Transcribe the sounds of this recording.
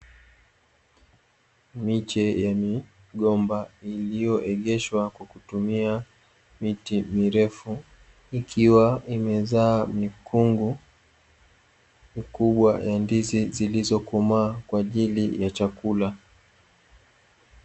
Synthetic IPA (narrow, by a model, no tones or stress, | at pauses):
mit͡ʃɛjami | ɠɔmbailijɔʔɛɠɛʃwakwakutumia | mitimiɾɛfu | ikʰiwaimɛzaːmikʰuŋɡu | mikuɓwajandizizilizɔkumaːkwaːʄilijat͡ʃakula